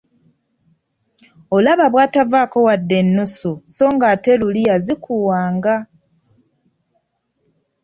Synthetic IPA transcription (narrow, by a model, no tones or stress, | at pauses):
olaβaβwaːtavako̞wadːe̞nːusoso̞ːŋɡaːte̞luliazikʰuwaːŋɡa